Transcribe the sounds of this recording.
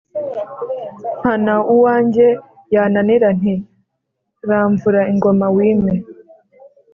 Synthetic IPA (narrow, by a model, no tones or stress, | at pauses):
m̥hanauwaːɲɟe̞ | jananiɾan̥i | ɾaːɱvuɾaiŋɡo̞mawiːme